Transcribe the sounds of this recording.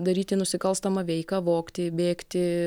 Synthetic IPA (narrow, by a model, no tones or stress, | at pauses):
d̪ɐɾʲiːt̪ʲɪnʊsʲɪkɐlˠst̪ɐmɐʋʲɛɪkɐʋoːkt̪ʲɪbʲeːkt̪ʲɪ